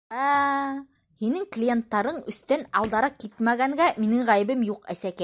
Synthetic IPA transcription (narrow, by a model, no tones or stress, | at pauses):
æ | hinɘŋklʲijent̪ːɑɾɤɴɵ̆st̪ænɑlˠd̪ɑɾɑkit̪mæɡæŋɡæminɘŋʁæjɘ̆bɘmjuqæsækæ